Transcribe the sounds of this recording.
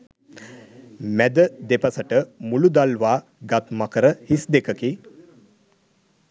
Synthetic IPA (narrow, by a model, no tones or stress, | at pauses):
mæd̪əd̪epasəʈəmulud̪alʋaː | ɡat̪makəɾəhisd̪ekəki